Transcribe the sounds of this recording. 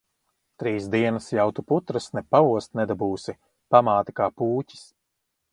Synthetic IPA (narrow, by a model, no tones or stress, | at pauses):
t̪ɾiːsd̪iɛnasjawt̪uput̪ɾasnɛpauɔst̪nɛd̪abuːsi | pamaːt̪i̥kaːpuːcʲi̥s